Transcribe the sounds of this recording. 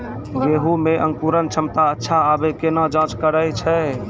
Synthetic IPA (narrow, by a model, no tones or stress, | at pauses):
jeɦumeʔəŋkuɾənt͡ʃʰəmt̪aətːʃʰaːbekenad͡ʒãt͡ʃkəɾət͡ʃʰɛ